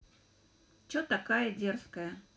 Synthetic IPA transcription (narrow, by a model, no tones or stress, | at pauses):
t͡ɕot̪ɐkajədʲerskəjə